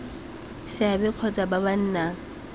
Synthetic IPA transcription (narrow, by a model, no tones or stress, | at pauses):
sɪabɪq͡χʰɔt͡sʼababan̩ːna